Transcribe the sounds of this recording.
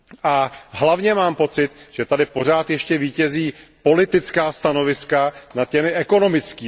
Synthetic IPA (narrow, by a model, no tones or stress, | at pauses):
ʔaɦlavɲɛmaːmpo̞t͡sɪt̪ʒ̥ɛt̪adɪpo̞r̝aːt̪jɛʃcɛviːcɛziːpo̞lɪt̪ɪt͡skaːst̪ano̞vɪskanat̪̚cɛmɪʔɛko̞no̞mɪt͡skiː